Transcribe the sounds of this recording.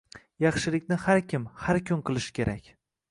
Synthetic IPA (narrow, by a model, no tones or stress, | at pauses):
jɑχʃɪlɪkʲnɪhaɾkʲʰɪmhaɾkʲʰʊnqɨlˠɪʃkʲʰe̞ɾakʲ